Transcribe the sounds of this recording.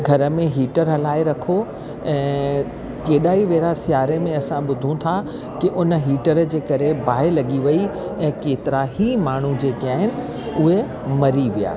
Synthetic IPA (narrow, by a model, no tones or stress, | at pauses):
ɡʱɐɾəmẽɦiːʈəɾɦɐlaːeɾɐkʰo | ɛ̃ː | keːɗaːiʋeːɾasjaːɾemẽɐsãɓʊd̪ʱũt̪ʰa | kɪʔʊnə̆ɦiːʈəɾd͡ʑeːkɐɾebʱaːelɐɠiʋɐiɛ̃ːkeːt̪ɪɾaɦimaːɳ̤ũd͡ʑeːkaːɦɪnɪ̆ | ʊɦe | mɐɾiʋija̰ː